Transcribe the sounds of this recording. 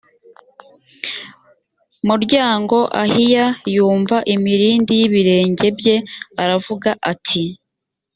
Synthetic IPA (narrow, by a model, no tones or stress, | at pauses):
muɾɟaːŋɡo̞ʔahijajuːɱvaʔimiɾiːndijiβiɾe̞ːɲɟe̞bje̞aɾavuɡaʔatʰi